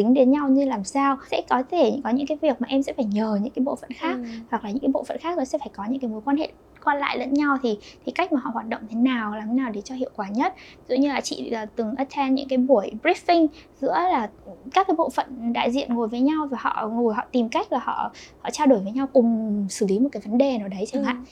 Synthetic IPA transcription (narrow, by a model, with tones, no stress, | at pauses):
tï˨˦ŋ̟ɗe˨˦nɲa˧wɲɨ˧laː˨˩msaː˧wsɛ̰˧˥kɔ˨˦t̪ʰe˧˩ɲɨ̰˧˥ŋkɔ˨˦ɲɨ̰˧˥ŋkaː˨˦jvi˨˩ək̚maː˨˩ʔɛ˧msɛ̰˧˥faː˧˩jɲəː˨˩ɲɨ̰˧˥ŋkaː˨˦jɓo̰˧˨fə̰˧˨nxaː˦˥k̚hwa˨˩k̚laː˨˩ɲɨ̰˧˥ŋkːjɓo̰˧˨fə̰˧˨nxaː˦˥k̚nɔ˨˦sɛ̰˧˥faː˧˩jkɔ˨˦ɲɨ̰˧˥ŋkaː˨˦jmo˨˦jkwa˧nhḛ˧˨ | kwaː˧la̰ː˧˨jlə̰˧˥nɲa˧wt̪ʰi˨˩t̪ʰi˨˩ka˦˥k̟̚maː˨˩hɔ̰˧˨hwaː˨˩t̚ɗə̰˧˨wŋ͡mt̪ʰe˨˦naː˨˩wlaː˨˩mʰe˨˦naː˨˩˨ɗe˨˩t͡ɕɔ˧hḭ˧˨əwkwaː˨˩ɲə˦˥t̚zṵ˧˨ɲɨ˧laː˨˩t͡ɕḭ˧˨əː˨˩t̪ɨ˨˩ŋʔə˦˥t̚t͡ɕʰɛ˧nɲɨ̰˧˥ŋkaː˨˦jɓu˧˩əjbɹi˦˥fi˧ŋzɨ̰˧˥əlaː˨˩kaː˦˥kːaː˨˦ɓo̰˧˨fə̰˧˨nɗa̰ː˧˨jzḭ˧˨ənŋo˨˩jvəː˨˦jɲa˧wvaː˨˩hɔ̰˧˨ŋo˨˩jɦɔ̰˧˨t̪i˨˩mka˦˥jk̟̚laː˨˩hɔ̰˧˨hɔ̰˧˨t͡ɕaː˧wɗo˧˩jvə˨˦jɲa˧wkʊ˨˩ŋ͡msɨ̥˧˩li˨˦mo˨˩t̚kaː˨˦jvə˨˦nɗe˨˩naː˨˩ɗə˨˦jt͡ɕe˧ŋa̰ː˧˨